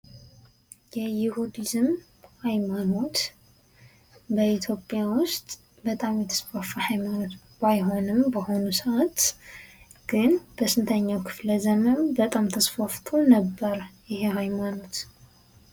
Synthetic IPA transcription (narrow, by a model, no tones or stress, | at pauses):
jɛjɪhud̪izɨm | hajmano̞t̪ | bəʔit̪ʰjo̞pʼjawʊst̪ʼ | bət̪ʼamjɛt̪ʰːə̥sfafahajmano̞t̪ | bajɦo̞nɨmbəho̞nusəʔat̪ | ɡ̥ɨnb̥əsɨnt̪ʰəɲːawkʰɨ̥fləzəmɨnbət̪ʼamt̪ʰəsfaft̪ʰo̞nəbːəɾjɪhehajmano̞t̪